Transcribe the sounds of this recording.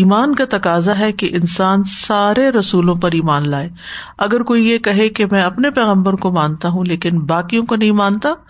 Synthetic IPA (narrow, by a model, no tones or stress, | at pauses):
iːmaːnkat̪ɐkaːzaɦɛkeʔɪnsaːnsaːɾeɾɐsuːlõpɐɾiːmaːnlaːeː | ɐɡəɾkoːijekɐɦekemɛ̃ːɐpnepɛːɣə̃mbəɾkomãːnt̪aɦũleːkɪnbaːkijõkonɐɦĩmãːnt̪aː